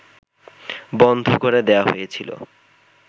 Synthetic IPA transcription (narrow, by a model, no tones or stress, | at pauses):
bɔnd̪ʱokoɾed̪eaɦo̰jet͡ɕʰilo̰